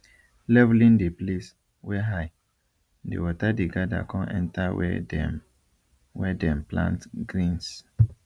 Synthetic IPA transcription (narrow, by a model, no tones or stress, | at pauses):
lɛvlĩndeples | wɛɦaj | dḛwɔtadeɡada̰kʰɔ̃nʔɛ̰̃ntawɛ̰ɛ | wɛdɛ̃mplã̰ntɡɾĩns